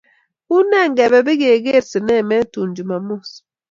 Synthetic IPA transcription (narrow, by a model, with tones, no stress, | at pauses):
u˦nɛ˦˨ŋ̩˦ɡɛ˨βɛ˨be˦ɣe˨ɣe˦˨ɾse˨nɛ˦˨mɛ˦tu˨n̩˨d͡ʒu˨ma˨mo˦˨s